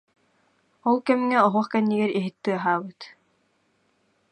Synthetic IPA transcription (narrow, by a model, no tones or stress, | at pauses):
ɔlˠkɛmŋɛɔɦuχkɛnːiɡɛɾiɦit̪ːɯɐɦaːbɯt̪